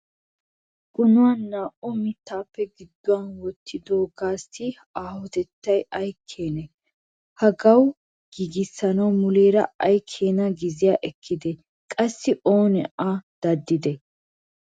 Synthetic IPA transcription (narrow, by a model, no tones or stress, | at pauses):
kʼʊnʊwanːaːʔɔmɪt̪ːaːpːɛɡɪd̪ːʊwɐnwɔt̪ʰːɪd̪o̞ːɡaːsːɪ | aːhɔt̪ɛt̪ːɐjɐjkʰːe̞ːnɛ | hɐɡɐw | ɡ̥iːɡɪsːɐnɐwmʊleːɾɐ̰ɐjkʰːe̞ːnɐɡɪzɪjaːʔɛkʰːɪd̪ɛ | kʼɐsːɪʔo̞ːnɛ̰ʔad̪̥ɐd̪ːɪd̪ɛ